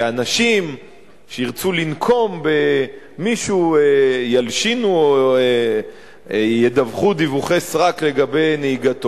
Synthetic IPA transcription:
anaʃim | ʃeiʁt͡sulinkʰo̞mbe | miʃuejalʃinuo | jed̪avχud̪ivuχesʁakle̞ɡabe̞jneiɡat̪o

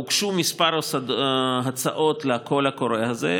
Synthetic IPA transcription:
ukʃumispaɾsdɦat͡saʔot̪leakolhakoɾehaze

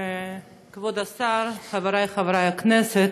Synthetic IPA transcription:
kvodasaɾχavaɾajχavaɾajaknɛsɛt

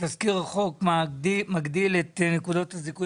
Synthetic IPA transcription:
t̪azkiʁaχo̞kmamaɡd̪ilet̪nekud̪o̞t̪haziku

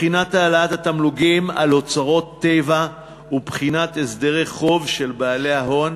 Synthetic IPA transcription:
χinat̪aːlaatat̪amluɡima̰lo̞t͡saʁo̞t̪ːeva | ubχinat̪esd̪eʁeχo̞vʃe̞lbaːle̞aɦho̞n

